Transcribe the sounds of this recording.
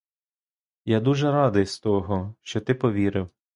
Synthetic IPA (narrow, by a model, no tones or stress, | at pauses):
jad̪uʒɛɾɑd̪ɪjst̪ɔɦɔʃt͡ʃɔt̪ɪpɔʋʲiɾɪw